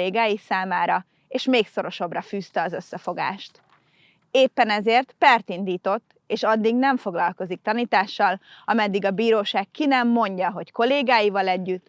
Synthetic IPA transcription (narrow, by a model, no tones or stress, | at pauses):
eːɡaːjisaːmaːɾɒ | eːʃmeːkso̞ɾo̞ʃɒbrɒfyːst̪ɛɒzø̞sːɛfoɡa̰ːʃt̪ | eːpːɛnɛzeːrt̪pɛrt̪ind̪iːt̪o̞t̪ːeːʃɒd̪ːiɡnɛɱfo̞ɡlɒlko̞zik̚t̪ɒniːt̪aːʃːɒlɒmɛd̪ːiɡɒbiːɾoːʃaːkkːinɛmːo̞ɲɟɒɦo̞cko̞leːɡaːjivɒlɛɟːyt̪ː